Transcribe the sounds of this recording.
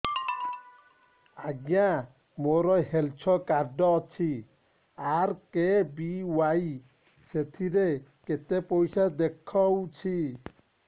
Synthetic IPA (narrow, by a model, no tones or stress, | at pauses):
aɡja | moɾɔɦelt͡ʃʰɔkaɾɖɔːt͡ʃʰi | aɾkebiwaj | set̪ʰiɾeket̪epɔjsad̪ekʰɔwt͡ʃʰi